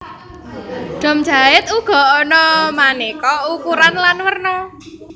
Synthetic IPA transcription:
ɖ̥ɔ̤m̥d͡ʒa̤ɪt̪̚uɡ̥ɔ̤ɔnɔmanekɔukuɾanlanwərnɔ

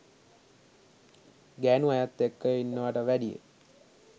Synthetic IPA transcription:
ɡænuajat̪ːekːəjinːəʋəʈəʋæɖijḛ

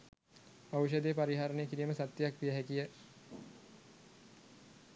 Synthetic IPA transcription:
aʋʃ̬əd̪epaɾiɦaːɾənejəkiɾiːməsat̪jejakʋijəɦækijə

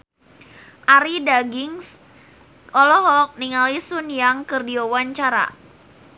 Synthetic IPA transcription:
ʔaɾidaɡiŋs | ʔɔlɔɦɔk̚niŋalisʊnjaŋkərdiowaɲt͡ʃaɾa̰

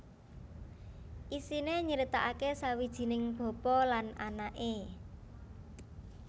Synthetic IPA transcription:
ʔisineɲəɾit̪aʔakesawid̥ʒ̥i̤nɪŋb̥ɔ̤pɔlananaʔe

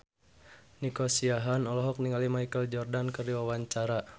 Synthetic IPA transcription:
nikɔsiaɦanɔlɔɦɔk̚niŋalimajkəld͡ʒɔrdankərdiwawaɲt͡ʃaɾa

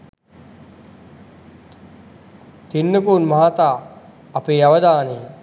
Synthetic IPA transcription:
t̪inːəkunmaɦat̪aː | ɐpeːaʋɐd̪aːne

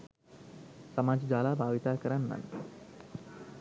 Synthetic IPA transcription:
sɐmaːd͡ʒd͡ʒaːlaːbʱaːʋit̪aːkəɾanːa̰n

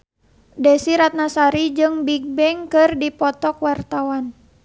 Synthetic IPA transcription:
dɛsiɾat̪̚nasaɾid͡ʒɨŋbiɡ̚bɛŋkɨrdipɔt̪ɔkwart̪awan

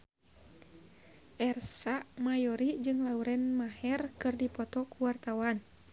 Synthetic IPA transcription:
ʔɛrsaʔmajɔɾid͡ʒɨŋlauɾɛnmaɦɛrkɨrdipɔt̪ɔkuwart̪awan

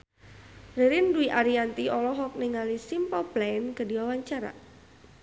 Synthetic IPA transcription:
reɾinduiʔaɾiant̪iɔlɔɦɔk̚niŋalisimpɔplankədiwawaɲt͡ʃaɾa̰

